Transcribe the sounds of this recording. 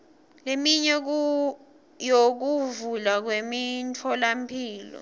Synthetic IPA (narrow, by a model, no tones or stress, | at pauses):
lemiɲɛk̬ | jok̬uvulak̬wemintʰɔlampʰiːlɔ̰